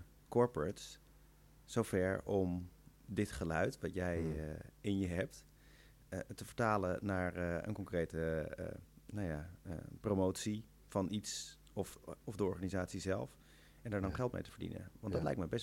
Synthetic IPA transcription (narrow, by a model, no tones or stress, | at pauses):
kɔɹpəɹts | sowvɛɹɔm | dɪtχəlœɥtʋɑtjɛjɪnjəɦɛp̚t | təvəɹtaːlənaːɹə̰nkɔŋkrejtə̰ | naja̰promowtsi | fɑnʔits | ɔfɔvdəɔɹχaːnizaːtsizɛ̰lˠf | ɛndaːɹdɔnχɛlˠt̚mḛjtə̥vəɹdḭnə̰ʋɑndɑtlɛ̰jk̚mɛbɛs